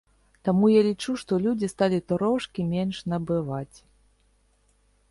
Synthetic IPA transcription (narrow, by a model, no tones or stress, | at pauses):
t̪amujalʲit͡ʂuʂt̪ɔlʲud͡zʲist̪alʲit̪ɔɾɔʂkʲimʲenʂnɐbɨvat͡sʲ